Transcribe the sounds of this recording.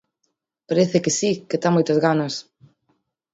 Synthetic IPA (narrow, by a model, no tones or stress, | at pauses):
paɾeθekɪsiket̪amojt̪ɐzɣanɐs